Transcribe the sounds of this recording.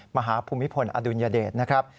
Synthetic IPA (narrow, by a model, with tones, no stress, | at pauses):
ma˧ɦaː˩˦pʰuː˧mi˦˥pʰo˧nʔa̰ː˧du˧njaː˧deː˨˩t̪̚na˦˥kʰɾa˦˥p̚